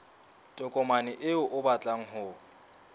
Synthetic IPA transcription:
tʼɔkʼɔmanɪʔɪʊʔʊbat͡ɬʼaŋ̩ɦʊ

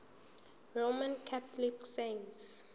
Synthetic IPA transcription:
romãnkʰatliksens

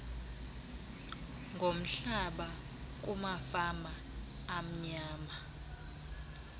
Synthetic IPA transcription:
ŋɡʱom̩ɬaɓa | k̬umafamaː | m̩ɲaːma

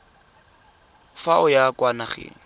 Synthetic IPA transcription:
faʔʊjakʼwanaχɪ̰

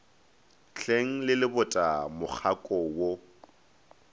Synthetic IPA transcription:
ɬʰeŋ̩lɪlɪbʊtʼamʊk͡xʰakʼɔwo

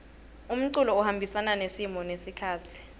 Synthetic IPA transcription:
um̩ǀulɔuhambʱisananesimɔnesikʰaːtʰi̥

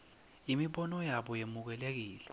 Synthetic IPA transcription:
imiɓɔnɔjaɓɔjemuk̬ɛlek̬iːlɛ

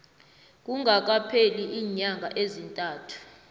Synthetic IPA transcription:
k̬ʼuŋɡʱak̬apʰeliʔiːɲaŋɡʱa̰ʔezintʼaːtʰu̥

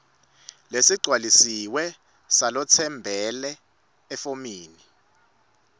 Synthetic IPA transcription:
lesiɡ͡ǀʱwalisiwɛ | salɔt͡sʰɛmbʱɛlɛː | fomiːni

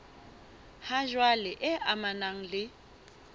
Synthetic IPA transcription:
haʒwalɪʔɛʔamanaŋ̩lɪ

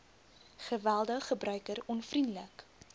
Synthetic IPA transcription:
χəvælˠdəχːəbrœɥkəɾɔnfrindlək

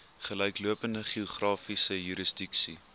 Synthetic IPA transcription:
χəlœjkluəpəndəχiuχrɑːfisəjyɾəsdɪksi

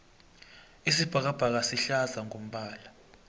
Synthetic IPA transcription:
isib̥ʱak̬ab̥ʱak̬asiɬazaŋom̩ɓaːla

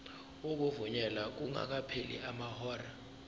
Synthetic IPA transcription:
ok̬uvuɲɛlak̬uŋa̰k̬apʰelḭamahɔːra

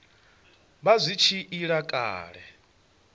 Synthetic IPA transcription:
βazʷit͡ʃʰiʔiɺakʼa̰ːɺɛ

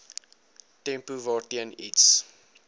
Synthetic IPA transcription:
tɛ̃mpuvɑːtiənḭts

